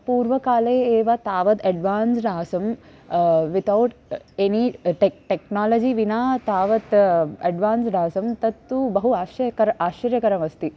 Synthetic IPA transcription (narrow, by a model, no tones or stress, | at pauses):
puːɾʋɐkaːleːeːʋat̪aːʋɐt̪ɐɖʋaːnsɖ̪aːsɐm | ʋit̪ʰɐwʈeniʈeʈeknaːlɐd͡ʒiʋinaːt̪aːʋɐt̪ɐɖʋaːnsɖ̪aːsɐmt̪ɐt̪ːubɐɦuaːʃɐkɐɾaːʃɐɾjɐkɐɾɐmɐst̪i